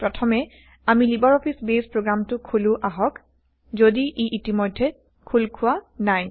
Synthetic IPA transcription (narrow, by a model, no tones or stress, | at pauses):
pɹɔtʰɔmɛ | amilibaɹɔpʰisbespɹoɡɹamtʊkʰulʊ̃ʔaɦɔk | zodiʔeʔitimɔjdʱːɛ | kʰulkʰʊwanaj